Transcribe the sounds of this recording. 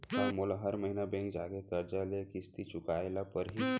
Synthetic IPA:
taɾmolaɦəɾməɦinabẽŋkd͡ʒaɡekəɾd͡ʑalekist̪it͡ʃukajlapəɾɦi

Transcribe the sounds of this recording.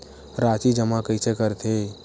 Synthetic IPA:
ɾat͡ʃid͡ʒəmakəjsekəɾt̪ʰe

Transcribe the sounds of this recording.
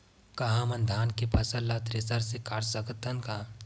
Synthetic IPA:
kɐɦamɐnd̪ʱaːnkepɐsəllat̪ɾesəɾsekaːɾsəɡət̪ʰːənkaː

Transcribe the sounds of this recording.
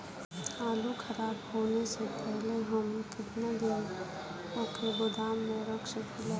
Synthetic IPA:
aːlukʰɐɾaːbɦoːnesepɛɦleɦəmkɪt̪ned̪i | okʰebʊd̪ʱaːmːẽɾəkʃəkile

